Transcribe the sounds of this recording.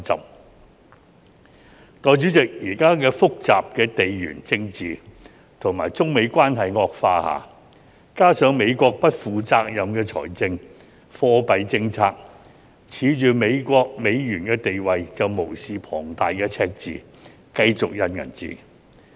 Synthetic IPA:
ɐ̰˨p̚ | t̪ɔː˨˧jt͡ʃyː˨˥t͡sɪ˨k̚jiː˨˩kaː˥kɛː˧fʊ˥k̚t͡sa̰ː˨p̚kɛː˧t̪e˨jjy̰ː˨˩nt͡sɪ˧ŋt͡siː˨˧ | t̪ʰʊ˨˩ŋmaː˨˩jt͡sʊ˥ŋme˨˧jkʷwaː˥nɦɐ˨jŋɔː˧k̚faː˧ha̰ː˨˩ | kaː˥sœː˨˥ŋme˨˧jkʷɔː˧k̚pɐ˥t̚fuː˨˧t͡saː˧k̚jɐ˨mkɛː˧t͡sʰɔ̰ː˨˩jt͡sɪ˧ŋ | fɔː˧pɐ˨jt͡sɪ˧ŋt͡sʰaː˧k̚ | t͡sʰiː˨˧˥t͡ʃyː˨me˨˧jkʷɔː˧k̚me˨˧jjyː˨˩nkɛː˧t̪e˨jwɐ˨jt͡sɐ˨wmo˨˩wsiː˨pʰɔ̰ː˨˩ŋt̪aː˨jkɛː˧t͡sʰɛː˧k̚t͡sḭː˨ | kɐ˧jt͡sʊ˨k̚jɐ˨nŋɐ̰˨˩nt͡sḭː˨

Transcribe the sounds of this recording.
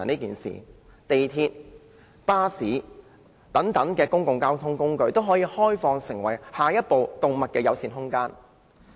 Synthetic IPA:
niː˥kiː˨nsḭː˨ | t̪e˨jt̪ʰiː˧t̚ | paː˥siː˨˥ | t̪ɐ˨˥ŋt̪ɐ˨˥ŋkɛː˧kʊ˥ŋkʊ˨˧ŋkaː˥wt̪ʰʊ˥ŋkʊ˥ŋkɵ˧ɥt̪o˥wɦɔː˨˥jiː˨˧hɔː˥jfɔː˧ŋsɪ˨˩ŋwɐ˨˩jhaː˨˩jɐ˥t̚po˨wt̪ʊ˨ŋmɐ˨t̚kɛː˧jɐ˨˧wsiː˨˧nɦʊ˥ŋkaː˥n

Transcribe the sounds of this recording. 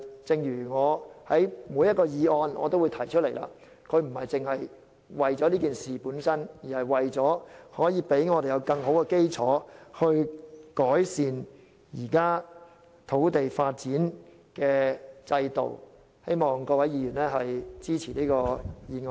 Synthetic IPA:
t͡sɪ˨˧ŋjyː˨˩ŋɔː˨˧hɐ˨˥jmu˨˥jɐ˥kɔː˧jiː˨˧ɔː˧nɔ̰ː˨˧t̪o˥wu˨˧jt̪ʰɐ˨˩jt͡ʃʰt̚le˨˩jla̰ː˧ | kʰɵ˨˧ɥm̩˨˩hɐ˨jt͡sɪ˨ŋhɐ˨j | wɐ˨˩jt͡sɔː˨˧˥liː˥kiː˨nsiː˨puː˨˥nsɐ˥njiː˨˩hɐ˨jwɐ˨jt͡sɔː˨˥hɔː˨˥jiː˨˧pe˨˥jŋɔː˨˧te˨jɐ˨˧wkɐ˧ŋɦo˨˥wkɛ˧ke˥jt͡sʰɔː˨˥hɵ˧ɥkɔː˨˥jsiː˨n | jiː˨˩kaː˥ | t̪ʰo˨˥wt̪e˨jfaː˧t̚t͡siː˨˥n | kɛː˧t͡sɐ˧jt̪o̰˨˩w | he˥jmɔː˨ŋkɔː˧wɐ˨˥jjiː˨˧jyː˨˩nlɛː˥ɦɐ˨jt͡siː˥t͡sʰiː˨˩liː˥kɔː˧jiː˨˧ŋ

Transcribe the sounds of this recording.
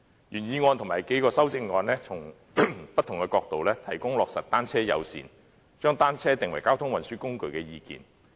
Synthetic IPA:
jyː˨˩njiː˧ŋɔː˧nt̪ʰʊ˨˩maː˨˩jke˨˥jkɔː˧sɐ˥wt͡sɪ˧ŋŋɔː˧nlɛː˥t͡sʰʊ˨˩ŋ | pɐ˥t̪ʰːʊ˨˩ŋkɛː˧kɔː˧k̚t̪o˨wlɛː˥t̪ʰɐ˨˩jkʊ˥ŋlɔː˨k̚sɐ˨t̚t̪aː˥nt͡sʰɛː˥jɐ̰˨˧wsḭː˨˩n | t͡ʃœː˥ŋt̪aː˥nt͡sʰɛː˥t̪ɪ˨ŋwɐ˨˩jkaː˥wt̪ʰʊ˥ŋwɐ˨nsyː˥kʊ˥ŋkɵ˨˧ɥkɛː˧jiː˧kḭː˨n

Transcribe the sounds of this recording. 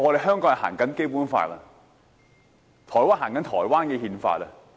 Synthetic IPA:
ɔ˨˧ɾe˨jɦœː˥ŋkɔː˨˥ŋhɐ˨ha̰ː˨˩ŋkɐ˨˥nke˥jpuː˨˥nfa̰ː˧t̚lɐ̰ː˧ | t̪ʰɔː˨˩jwaː˥nhaː˨˩ŋkɐ˨˥nt̪ʰɔː˨˩jwaː˥nkɛ˧ɦiː˧nfa̰ː˧t̚lɐː˧

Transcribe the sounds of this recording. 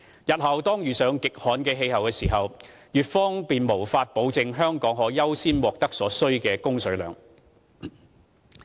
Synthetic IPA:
jɐ˨t̚hɐ˨wt̪ɔː˥ŋjyː˨sœː˨˧ŋkɪ˨k̚hɔː˨˥nkɛː˧ɦe˧jɦɐ˨wkɛː˧siː˨˩ɦɐ˨w | jyː˨t̚fɔː˥ŋpiː˨nmo˨˩wfaː˧t̚po˨˧wt͡sɪ˨˧ŋɦœː˥ŋkɔː˨˥ŋɦɔː˨˥jɐ˥wsiː˥nwɔː˨k̚t̪ɐ˥k̚sɔː˨˥sɵ˥ɥkɛː˧kʊ˥ŋsɵ˨˧˥ɥlœ̰ː˨˩ŋ

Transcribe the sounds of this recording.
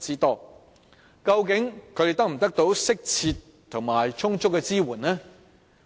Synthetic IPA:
t͡siː˥t̪ɔː˥ | kɐ˧wkɪ˨˥ŋkʰɵ˨˧t̪e˨jt̪k̚m̩˨˩t̪ɐ˥k̚t̪o˨˥wsɪ˥k̚t͡sʰiː˧t̪ʰʊ˨˩ŋmaː˨˩jt͡ʃʰʊ˥ŋt͡sʰʊ˥kːɛ˧t͡siː˥wuː˨˩nnɛː˥

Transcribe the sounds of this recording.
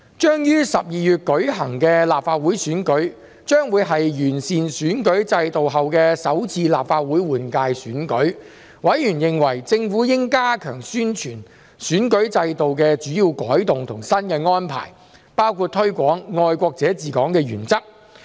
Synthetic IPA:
t͡ʃœː˥ŋjyː˥sɐ˨p̚jiː˨jyː˨t̚kɵ˨˥ɥɦɐ˨˩ŋkɛː˧laː˨p̚faː˧t̚wuː˨˥jsyː˨˥nkɵ˨˥ɥ | t͡ʃœː˥ŋwuː˨˧jɦɐ˨jjyː˨˩nsiː˨nsyː˨˥nkɵ˨˥ɥt͡sɐ˧jt̪o˨wɦɐ˨wkɛː˧sɐ˨˥wt͡sʰiː˧la̰ː˨p̚faː˧t̚wuː˨˥jwuː˨˩nkaː˧jsyː˨˥nkɵ˨˥ɥ | wɐ˨˥jjyː˨˩njɪ˨ŋwɐ˨˩jt͡sɪ˧ŋfuː˨˥jɪ˥ŋkaː˥kʰœː˨˩ŋsyː˥nt͡ʃʰyː˨˩n | syː˨˥nkɵ˨˥ɥt͡sɐ˧jt̪o˨wk̬ɛː˧t͡ʃyː˨˥jiː˧wkɔː˨˥jt̪ʊ˨ŋt̪ʰʊ˨˩ŋsɐ˥nkɛː˧ŋɔː˥npʰa̰ː˨˩j | paː˥wkʰuː˧t̚t̪ʰɵ˥ɥkʷɔː˨˥ŋːɔː˨˧jkʷɔː˧k̚t͡sɛː˨˥t͡siː˨kɔː˨˥ŋkɛː˧jyː˨˩nt͡sɐ˥k̚

